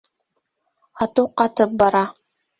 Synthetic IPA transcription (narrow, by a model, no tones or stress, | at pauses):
ɑt̪uqɑt̪ɤp̚bɑɾɑ